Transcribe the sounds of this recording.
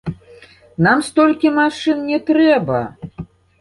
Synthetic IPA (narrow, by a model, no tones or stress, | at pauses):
namst̪ɔlʲkʲimaʂɨnnʲɛt̪ɾɛbɐ̰